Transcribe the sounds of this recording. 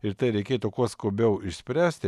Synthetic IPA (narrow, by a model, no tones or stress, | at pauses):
ɪɾt̪ɐɪɾʲɛɪkʲeːt̪ukuɔskʊːbʲɛʊɪʃʲsʲpʲɾʲæːsʲt̪ʲɪ